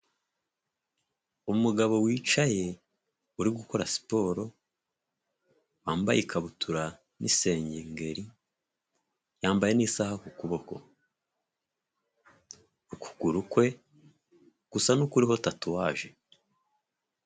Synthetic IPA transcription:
umuɡaβo̞wiːt͡ʃaje̞ | uɾiɡuko̞ɾasi̥po̞ːɾo̞ | waːmba̰jikaβutʰuɾa | nʔḭse̞ːɲɟeŋɡe̞ɾi | jaːmbaje̞nisahakukuβo̞ko̞̰ | uku̥ɡ̥uɾukwe̞ | ɡ̥usanukuɾiɦotatuwaːʒe̞

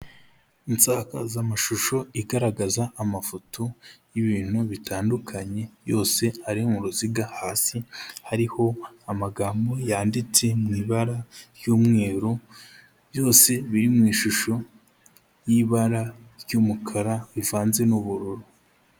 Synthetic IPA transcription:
insaka̰zamaʃuʃo̞iɡaɾaɡazaːmafotʰojiβiːn̥uβitʰaːndukʰaɲe̞jo̞ːse̞haɾihomuɾuziɡahaːsihaɾiho̞amaɡaːmbo̞jaːndit͡se̞mŋiːβaɾaɾjuːmŋe̞ːɾo | jo̞ːse̞βiɾimŋiːʃuʃo̞ | jiβaɾaɾjuːmukʰaɾaβivaːnze̞nuβuɾuɾo

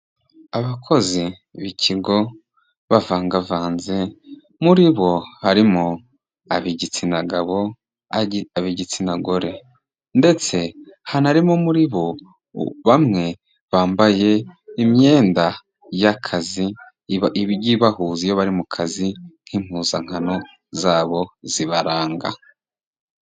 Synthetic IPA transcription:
aβakʰo̞zi | βiciɡo̞ | βavaːŋɡavaːnze̞ | muɾiβo̞haɾimo | aβiɟit͡sinaɡaβo̞ | aβiɟit͡sinaɡo̞ɾe̞ | nde̞t͡se̞hanaɾimomuɾiβo̞ | βamŋe̞ | βaːmbaje̞imje̞ːnda | jakʰazi | iiɟiβahuːzijoβaɾimukʰazin̥hiːmhuːzaŋ̥hano̞ | zaːβo̞z̥iβaɾaːŋɡa̰

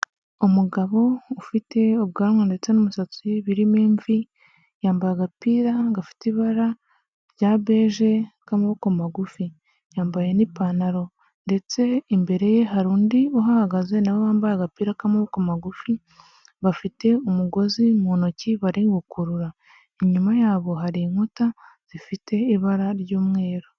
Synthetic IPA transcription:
umuɡaβo̞ufite̞oβ̚ɡaːɾŋande̞t͡se̞numusat͡siβiɾimeːɱvi | jaːmbajaɡapiːɾaɡafi̥tiβaɾa | ɾɟaːβe̞ːʒe̞kamaβokomaɡufi | jaːmbaje̞nipanaɾo̞ | nde̞t͡se̞imbe̞ɾe̞je̞ɦaɾuːndioɦahaɡaze̞naβoβaːmbajaɡapiːɾakamaβokomaɡufi | βafite̞umuɡo̞zimuːnociβaɾiːŋɡukuɾuɾa | iɲumajaːβo̞ɦaɾiŋuta | z̥ifite̞iβaɾaɾɟuːmŋe̞ːɾo

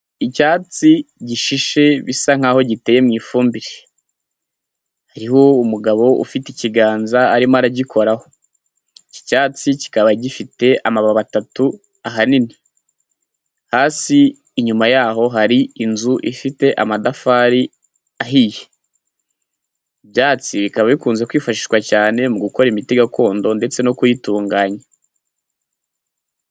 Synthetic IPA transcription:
icaːt͡siɟiʃiʃe̞βisaŋ̥aːho̞ɟite̞ːjemŋiːfuːmbiɾe | haɾiho̞umuɡaβo̞ṵfiteiciɡaːnzaːɾimaɾaɟikʰo̞ɾaho̞ | ci̥caːt͡sici̥kaβaɟifite̞amaβaβatatu | aɦanini | haːsiː | ɲumajaːɦo̞ɦaɾiinzuʔifite̞ʔa̰madafaːɾi | aɦije | iβjaːt͡siβikaβaβikuːnze̞kwiːfaʃi̥ʃwacaːne̞muɡuko̞ɾimite̞ɡako̞ːndo̞nde̞t͡se̞no̞kujituːŋɡaːɲa

